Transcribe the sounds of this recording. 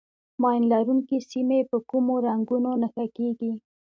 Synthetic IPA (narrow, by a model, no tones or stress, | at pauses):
mɑjnlaɾuŋkisimepəkumoɾaŋɡunonaxakeɡi